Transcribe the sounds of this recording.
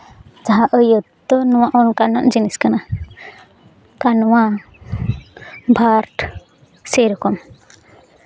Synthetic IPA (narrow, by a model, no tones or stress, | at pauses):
d͡ʒaɦãʔəjət̪ɔnɔwaʔɔnkanaʔd͡ʒiniskana | kanɔwa | bʱaɾʈ | sɛɾɔkɔm